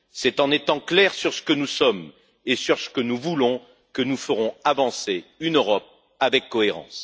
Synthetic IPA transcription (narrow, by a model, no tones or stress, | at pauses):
sɛt̪ɑ̃net̪ɑ̃klɛʁsyʁsə̥kənusɔm | esyʁsə̥kənuvulɔ̃ | kənufəʁɔ̃avɑ̃seynøʁɔp̚ | avɛkːɔeʁɑ̰̃s